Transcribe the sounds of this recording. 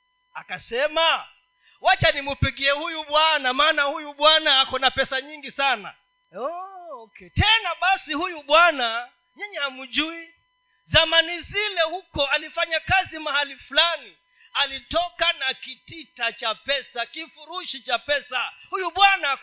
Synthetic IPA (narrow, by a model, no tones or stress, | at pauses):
akasɛma | wat͡ʃanimupiɠiɛhujuɓwanamaːnahujuɓwanaakɔnapɛsaɲiŋɡisana̰ | ɔkɛtɛnaɓasihujuɓwana | ɲɛɲɛamuʄui | zamanizilɛhukɔalifaɲakazimahalifulani | alitɔkanakititat͡ʃapɛsakifuɾuʃit͡ʃapɛsahujuɓwana